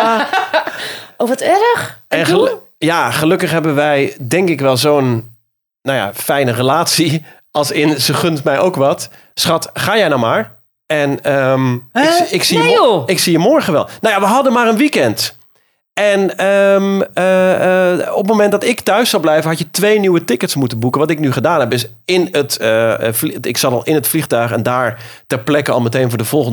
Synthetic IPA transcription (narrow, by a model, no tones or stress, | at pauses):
owʋɔtɛɾəxɛnəl | jaχəlɵkəχɦɛbənʋɛjdɛŋkɪkʋɛlˠzoːn | nawja̰fɛjnərəlaːtsi | ʔɑlˠsɪnzəχʏntmɛjʔowkʋɔt | sχɑtχaːjɛjnɔwmaːɹ | ɛnəmɪksiəɪksijəmɔɹɣəʋɛlˠnawjaʋəɦɑdəmaːrənʋikɛnt | ɛnəmə | ɔp̚momɛndɔtɪktœɥsɔlˠblɛjvənɦɑtjətʋeːnywətɪkətsmutənbukəʋɔtɪknyχədaːnɛp̚døs | ɪnətəfɪksɑtɑlˠɪnətflixtœɥxɛ̰ndaːɹtɛɹplɛkəɔ̰lˠməteːnvʊːdəv̥ɔlˠχən